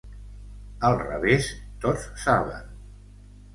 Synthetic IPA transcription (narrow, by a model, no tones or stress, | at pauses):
əlˠrə̰βest̪ot͡sːaβə̰n